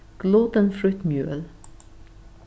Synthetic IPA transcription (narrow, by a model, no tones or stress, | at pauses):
ɡ̥lɔt̪ənfɾʉt̪mjø̰ːl